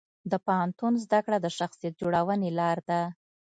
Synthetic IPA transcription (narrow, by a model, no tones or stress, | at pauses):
d̪əpahant̪unzd̪akɽad̪əʃaxsijet̪̚d͡ʒoɽawənelɑɾd̪a